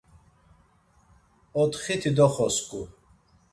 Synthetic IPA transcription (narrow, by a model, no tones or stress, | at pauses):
ɔt̪χit̪ʰid̪ɔχɔskʼu